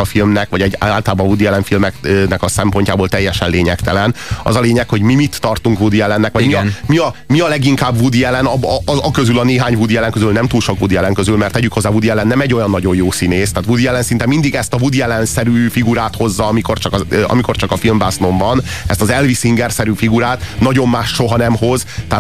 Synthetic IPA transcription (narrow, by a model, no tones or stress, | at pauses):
ɒfilmnɛkʋɒɟɛɟaːlt̪ɔlaːbɒɱvud̪iɛlɛɱfilmɛknɛkɒsɛmpo̞ɲcaːboːlt̪ɛjːɛʃɛnleːɲɛkt̪ɛlɛnɒ̰zɒleːɲɛkho̞ɟmimit̪ːɒrt̪uŋkvud̪iɛlɛnːɛkʋɒmiɒnmiɒmiɒlɛɡiŋkaːbvud̪iɛlɛnɒbɒzɒkøzylɒneːɦaːɲvud̪iɛlɛŋkøzylnɛmt̪uːlʃo̞kʋud̪iɛlɛŋkøzylmɛrt̪ːɛɟykho̞zːaːvud̪iɛlɛnːɛmɛɟːojɒnːɒɟo̞jjoːsineːst̪aːt̪vud̪iɛlɛnsint̪ɛmind̪iɡɛst̪ɒvud̪iɛlɛnsɛɾyfiɡuɾaːt̪ho̞zːɒɒmiko̞rt͡ʃɒkɒøʔɒ̰mikort͡ʃɒkɒfilmbasno̞ɱvɒnɛ̰st̪ɒzɛlvisiŋɡɛrsɛɾyːfiɡuɾaːt̪nɒɟo̞mːaːʃʃo̞ɦɒnɛmho̞zt̪ɛaː